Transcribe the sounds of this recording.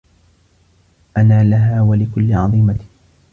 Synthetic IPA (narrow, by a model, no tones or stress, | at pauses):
ʔanaːlaɦaːwalɪkʊlːɪʕɑ̰ðˤiːma